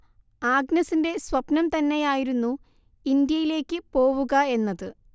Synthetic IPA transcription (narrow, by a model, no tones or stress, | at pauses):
aːɡnɐsinde̞sʋɐbnɐmt̪ɐnːe̞jaːjiɾunːu | ind̪jɐjile̞ːkʲːɨpo̞ːʋuɣɐe̞nːɐðɨ